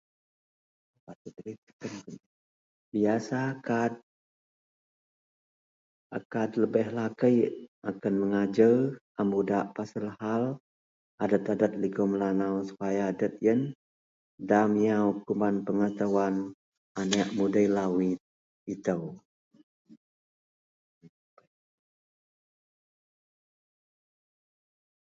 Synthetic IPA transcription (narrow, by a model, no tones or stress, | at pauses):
pat̪ud̪ɾit̪ə̥kən | biasakat̪̚ | akat̪ləbəhlakəjakənməŋad͡ʒəʔambudaʔpasəlhal | ʔadət̪adət̪̚liɡoməlanawsu̥pajadət̪̚jən | damijawkumanpəŋət̪awan | anaʔmudəjlawit̪̚ | it̪əw